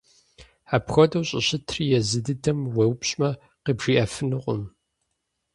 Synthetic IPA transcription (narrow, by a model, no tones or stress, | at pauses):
aːpxʷɐdɐwɕʼɪɕɪtʰrijɛzɨdɨdɐmwɐwpɕʼmɐ | qiːbʒ̥iːʔɐfɨnɨqʷʼʊ̰m